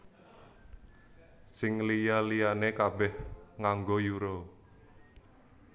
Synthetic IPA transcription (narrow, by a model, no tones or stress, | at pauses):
sɪŋlijalijanekabɛhŋaŋɡojuɾo